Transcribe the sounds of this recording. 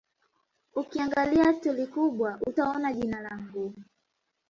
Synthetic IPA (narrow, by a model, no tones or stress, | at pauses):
ukiaŋɡaliatulikuɓwaʔutaɔnaʄinalaŋɡu